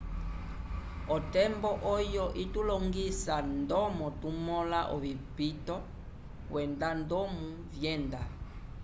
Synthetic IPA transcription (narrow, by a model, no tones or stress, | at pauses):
ɔtɛmbɔʔɔjɔʔitulɔŋɡisandɔmɔtumɔlaʔɔvipitɔ | wɛndandɔmu | vjɛnda